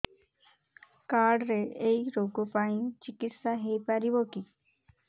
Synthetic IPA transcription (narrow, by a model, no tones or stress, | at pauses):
kaːɖɾeeiɾoːɡopaĩt͡ʃikit̪saɦepaɾiboki